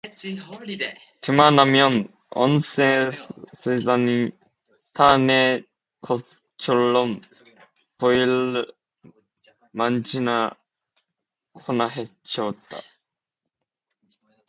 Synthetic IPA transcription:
kɯmanamjʌn | ʌ̰nsesesani | t̪ʰane | kʰo̥ | t͡ɕʰoɭːɔn | koil | mand͡ʑina | kʰonaɦet͡ɕʌt̪͈ːa̰

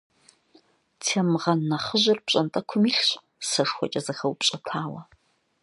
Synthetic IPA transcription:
tʰeːmɨʁɐnːɐχəʑɪrpɕʼɐntʼɐkʷʰʊmiːɬɕ | sɐʂxʷɔ̰t͡ʃʼɐzɐxɐwpɕʼɐtʰaːwɐ

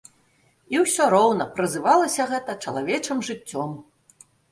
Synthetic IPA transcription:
iwsʲɔɾɔwnɐpɾɨzɨvalˠɐsʲɐɣɛt̪ɐt͡ʂɐlˠa̰vʲɛt͡ʂɨmʐɨt͡sʲːɔm

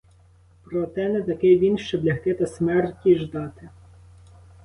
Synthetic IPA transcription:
pɾɔt̪ɛnɛt̪ɐkɪjʋʲinʃt͡ʃɔblʲɐxk̪ɪt̪ɐsmɛrtʲiʒd̪ɑt̪ɪ

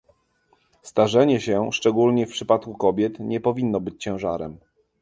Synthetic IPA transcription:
st̪aʐɛɲɛɕɛʂt͡ʂɛɡulɲɛfpʂɘpat̪kukɔbʲjɛt̪ɲɛpɔvʲinːɔbɘt͡ɕt͡ɕɛ̃w̃ʐa̰ɾɛ̰m

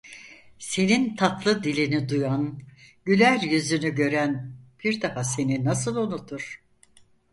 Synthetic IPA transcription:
se̞nint̪ʰat̪lˠɯd̪ilʲinid̪ujanɟylʲæɾjyzynyɟø̞ɾænb̥iɾd̪ahase̞ninasɯlˠonut̪ʰuɾ̥

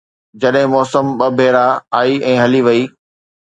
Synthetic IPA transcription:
d͡ʑɐɗɦɪ̃mɔːsəmɓɐbʱeːɾaaːiʔɛ̃ːɦɐliʋɐiː

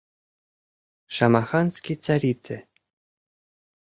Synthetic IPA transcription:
ʃɑmɑχɑnskʲit͡saɾʲit͡sɘ

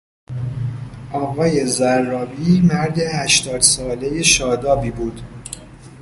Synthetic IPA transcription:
ʔɒːɣɒːje̞zæɾːɒːbiːmæɾd̪e̞hæʃt̪ɒːd̪̥sɒːle̞jeʃɒːd̪ɒːbiːbuːd̪̥

